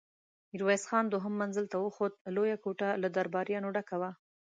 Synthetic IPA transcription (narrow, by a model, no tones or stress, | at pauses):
iɾwajsxɑnd̪oɦəmːanzəlt̪awəxod̪̚lojakoʈalad̪aɾbɑɾjɑnoɖakawa